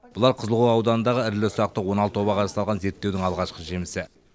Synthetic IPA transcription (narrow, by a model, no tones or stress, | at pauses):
bʊlˠɑɾqʰəzəlˠʁuɑwd̪ɑnənd̪ɑʁəɪɾlɪsʊɾɑq̚t̪əwo̞nɑlˠt̪ːo̞βɑqʰɑɾɑsɑlˠʁɑnze̞ɾt̪ːe̞wd̪ɪŋɑlˠʁɑʃqəʒe̞mɪsɪ